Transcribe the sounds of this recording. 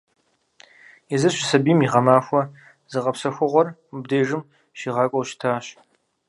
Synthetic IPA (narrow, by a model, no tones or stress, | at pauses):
izɨɕɪsɐbiːmiʁɐmaːxʷɔ | zɨqʼɐpsɐxʷʊʁʷɔrub̚deːʐɨm | ɕiːʁɑːkʷʼɔwʃtʰaːɕ